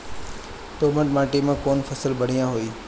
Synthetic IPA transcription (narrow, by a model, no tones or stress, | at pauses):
t̪oːməʈmaːʈimãkoːnfʰɐsəlbɐɽ̤ijãɦoiː